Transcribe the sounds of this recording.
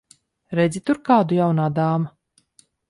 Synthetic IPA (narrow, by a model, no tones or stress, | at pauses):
ɾɛd̪zʲit̪uɾkaːd̪ujawnaːd̪aːma